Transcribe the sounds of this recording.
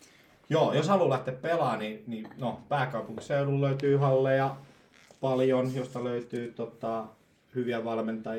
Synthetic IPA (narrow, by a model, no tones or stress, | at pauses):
joːjoshɑlulæht̪ːeppelɑːnininopæːkɑupuŋki̥seululløyt̪yːhɑlːejɑ | pɑljonjost̪ɑløyt̪yːt̪ot̪ɑˑ | hyʋiæʋɑlment̪ˑɑ